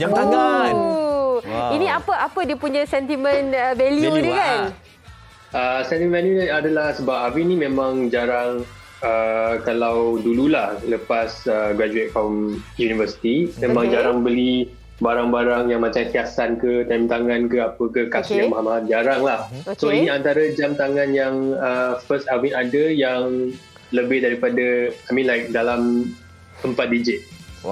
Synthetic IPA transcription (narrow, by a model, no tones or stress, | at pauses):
inĩapəapədiəpuɲãsɛnt̪imə̃nəvɛlijudəkan | əsɛnt̪imənvɛljuadalahsəbap̚apənĩmẽmãŋd͡ʒaɾaŋ | əkalawdululahləpasəɡɾad͡ʒuet̚fɔmjunivəsi̥t̪imẽmãŋd͡ʒaɾaŋbəli | baɾaŋbaɾaŋjaŋmat͡ʃaŋt̪iasankət̪ajmt̪aŋankəapəkəkasijaŋmaɦamaɦad͡ʒaɾaŋlahsoinĩant̪aɾəd͡ʒamt̪aŋãnjaŋəfəstavinadəjaŋ | ləbɪhdaɾipadaamĩnlajk̚dalam | əmpat̪̚did͡ʒɪt̪̚